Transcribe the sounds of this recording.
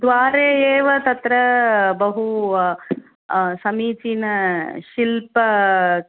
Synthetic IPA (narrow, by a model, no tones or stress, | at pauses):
d̪ʋaːɾeːeːʋɐt̪ɐt̪ɾɐbɐɦu | sɐmiːt͡ʃinɐʃilpɐ